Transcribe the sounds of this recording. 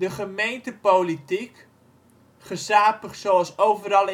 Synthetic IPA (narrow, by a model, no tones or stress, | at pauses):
dəχəmejntəpolitik | χəsaːpəχsoɑlˠsowvəɾɑlˠ